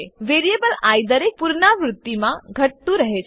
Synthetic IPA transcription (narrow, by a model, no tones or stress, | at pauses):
ʋeɾijebəlajd̪əɾek̚puɾɳaʋɾut̪ːimaɡʱəʈ̚t̪ũɾəɦe